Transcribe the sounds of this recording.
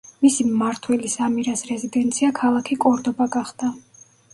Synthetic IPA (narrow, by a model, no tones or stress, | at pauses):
misimaɾt̪ʰwɛlisamiɾasɾɛzid̪ɛnt̪sʰiakʰalˠakʰikʼɔɾd̪ɔbaɡaχd̪̥a